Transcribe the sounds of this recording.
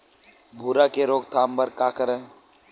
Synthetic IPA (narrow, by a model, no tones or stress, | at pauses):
bʱuːɾakeɾoːɡ̚t̪ʰaːmbəɾkaːkəɾə̃